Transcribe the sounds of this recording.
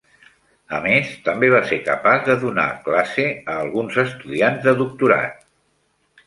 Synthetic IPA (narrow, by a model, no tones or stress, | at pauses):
əmest̪əmbeβ̞aseɾkəpazðəðuna̰klaseəːlˠɣunzəst̪uðianzðəðuk̚t̪uɾa̰t̪̚